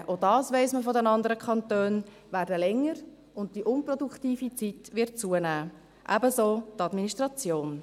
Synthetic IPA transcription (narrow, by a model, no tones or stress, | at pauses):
ʔodɑːsʋɛɪsməfodɛnɑndəɾəkʰɑntøːn | ʋæːɾdəlɛŋːəɾ | ʊnt̚d̥iʔʊnprɔduktiːfit͡sitʋɪt̚t͡suənæː | ʔæ̰bəsoːtɑdminiʃtʁɑt͡sjoːn